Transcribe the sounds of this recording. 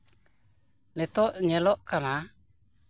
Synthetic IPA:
nɛt̪ɔʔɲɛlɔʔkana

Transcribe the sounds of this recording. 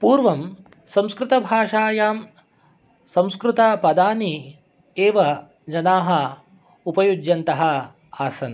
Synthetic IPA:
puːɾʋɐm | sɐ̃mskɾɪt̪ɐbʱaːʂaːjaːm | sɐ̃mskɾut̪ɐpɐd̪aːni | eːʋɐ | d͡ʒɐnaːɦɐ | upɐjud͡ʒjɐnt̪ɐɦɐ | aːsɐn

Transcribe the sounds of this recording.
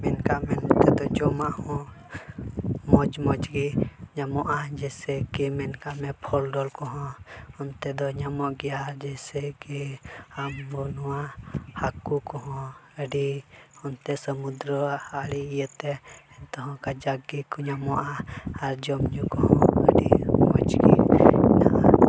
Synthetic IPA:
mɛnkaʔmɛnt̪ɛd̪ɔd͡ʒɔmaʔhɔ̃ | mɔd͡ʒmɔd͡ʒɡiɲamɔʔad͡ʒɛsɛkimɛnkamɛpʰɔlɖɔlkɔɦɔ̃ɔnt̪ɛd̪ɔɲamɔʔɡɛjaɾd͡ʒɛsɛkiambɔnuwahakukɔɦɔ̃əɖiɔnt̪ɛsəmud̪ɾəaɽiːjət̪ɛnt̪ɔɦɔ̃kad͡ʒaɡikɔɲamɔʔaːɾd͡ʒɔmɲukɔɦɔ̃ə̰ɖimɔd͡ʒɡḭnaʔa

